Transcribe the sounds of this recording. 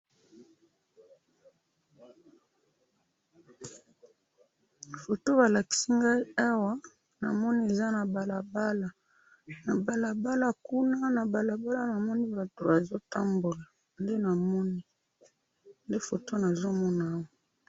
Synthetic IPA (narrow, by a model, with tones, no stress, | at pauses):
fo˨to˦βa˨la˨ki̥˨si˦ŋɡa˦i˦a˦wa˦ | na̰˨mɔ˦ni˦e˨za˦na˨ba˨la˨ba˦la˨ | na˨ba˨la˨ba˦la˦ku˦na˦na˨ba˨la˨ba˦la˦na˨mɔ˦ni˦ba˨to˨ba˨zo˦ta˦mbo˨la˨ | nde˦na˨mɔ˦ni˦ | nde˦fo˨to˦na˨zo˦mɔ˦naː˨˦wa˨